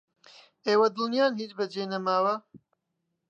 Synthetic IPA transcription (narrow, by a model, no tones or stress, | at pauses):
eːwɐd̪ɨlnjaːnhiːt͡ʃbɐd͡ʒejnɐmaːwɐ